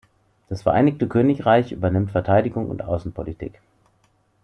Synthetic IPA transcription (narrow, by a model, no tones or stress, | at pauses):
d̥asfɛɐʔa̰ɪnɪçtəkʰøːnɪçʁaɪçʔy̰ːbɐnɪmtfɛɐtʰaɪdɪɡʊŋʊ̰ntʔa̰ʊsn̩pʰolitʰḭːk